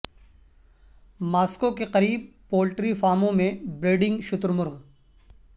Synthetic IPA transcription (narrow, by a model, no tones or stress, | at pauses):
maːskokeqɐɾiːb̚ | poːlʈɾifaːɾmõmẽbɾeːɖɪ̃ŋɡʃʊt̪ɾmʊɾɣ